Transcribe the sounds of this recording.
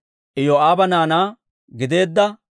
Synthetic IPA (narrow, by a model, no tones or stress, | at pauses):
ʔɪjoaːbɐnaːnaː | ɡɪd̪e̞ːd̪ːɐ